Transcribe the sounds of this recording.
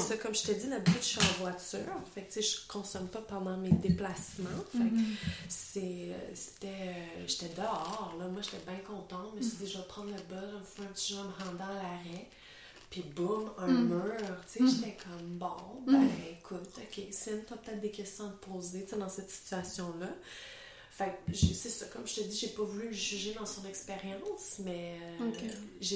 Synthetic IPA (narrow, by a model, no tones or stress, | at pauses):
sɔkɔmʒət̪ɛd͡z̪ilabt̪ʃvwat̪t͡sy̰ːʁfɛk̚t̪seʒəkɔ̃sɔmpɔpɑ̃d̪ɑ̃med̪eplasmɑ̃ffɛksḛse̥t̪ɛøʒet̪ɛd̪əɑːʁlɔmwaʒet̪ɛbɛ̃kɔ̃t̪ɑ̃mɛʒsid͡z̪iʒəvɐpχɑ̃d̪ləbɔlɛ̃fwɛɛ̃pət͡s̪iʒɑ̃məʁɑ̃d̪ɑ̃alaʁɛ | pibʊmɛ̃møːʁt͡seʒet̪ɛkʰɔmbɔ̃bɛ̃ekʰut̪ɔkʲʰesɪnt̪apət̪ɛːt̪̚d̪əkʲɛst̪jɔ̃ad̪əpʰoːzet̪t͡sed̪ɑ̃sɛt̪si̥t̪ɥasjɔ̃lʌ | fak̚ʒsesʌkɔmʒət̪əd̪ziʒepɔvulyməʒyʒed̪ɑ̃sɔ̃nɛkspeʁjɑ̃smɛ | ʒ